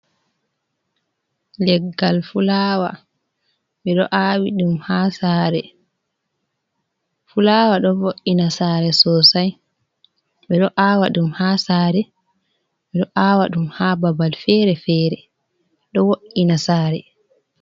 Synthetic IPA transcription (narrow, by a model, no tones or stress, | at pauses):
lɛɡːalfulaːwa̰ | ɓɛɗɔʔaːwiɗumhaːsaːɾɛ | fulaːwaɗɔvoʔːinasaːɾɛsɔsaj | ɓɛɗɔʔawaɗumhaːsaːɾɛ | ɓɛɗɔʔaːwaɗumhababalfɛɾɛfɛːɾɛ | ɗɔwoʔinasaːɾɛ